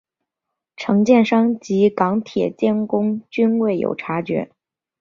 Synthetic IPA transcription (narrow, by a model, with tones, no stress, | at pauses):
ʈ͡ʂʰɤ˧˥ŋt͡ɕjɛ˥˧nʂɑ˥ŋt͡ɕi˧˥kɑ˧˥ŋt̪ʰjɛ̰˨˩t͡ɕjɛ˥˩nkʊ˥ŋt͡ɕy˥nwe˥˩ɪjo̰˨˩ʊʈ͡ʂʰa˧˥t͡ɕɥɛ̰˧˥